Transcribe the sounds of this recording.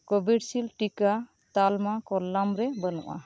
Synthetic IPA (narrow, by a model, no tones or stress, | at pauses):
kɔbʱiɖsilʈika | t̪almakɔlːamɾɛbənɔ̰ʔa̰